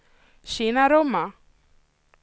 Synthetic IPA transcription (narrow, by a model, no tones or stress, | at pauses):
ʃinaɾoma